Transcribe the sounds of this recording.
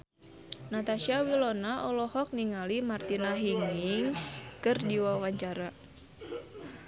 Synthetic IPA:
nat̪aʃiawilɔnaʔɔlɔhɔk̚niŋalimart̪inaɦiŋiŋskɨrdiwawaɲt͡ʃaɾa

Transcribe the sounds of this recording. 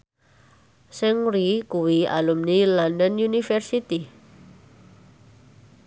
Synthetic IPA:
sɪŋɾikuwia̰lumnilandənjunifɛrsit̪i

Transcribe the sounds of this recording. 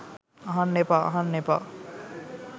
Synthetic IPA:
ɦʌ̃nːepaɦʌnːepa̰l

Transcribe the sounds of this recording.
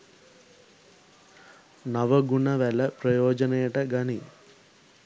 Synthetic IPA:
nɐʋɐɡuɳɐʋɛlɐpɾɐjɔːd͡ʒɐnejɐʈɐɡɐni

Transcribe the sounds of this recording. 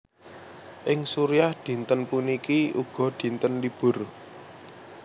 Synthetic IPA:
ʔɪŋsuɾiahd̪̥i̤nt̪ənpunikiuɡ̥ɔ̤d̪̥i̤nt̪ənlib̥ʊ̤r

